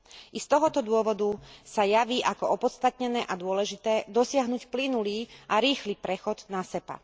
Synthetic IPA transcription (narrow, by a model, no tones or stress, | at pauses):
ʔist̪ɔɦɔt̪ɔd̪ʊɔʋɔd̪usajaʋiːʔakɔʔɔpɔt̪st̪at̪ɲɛnɛːʔad̪ʊɔlɛʒit̪ɛːd̪ɔsɪaɦnuːcplinuliːʔaɾiːxlipɾɛxɔd̪nasɛpa̰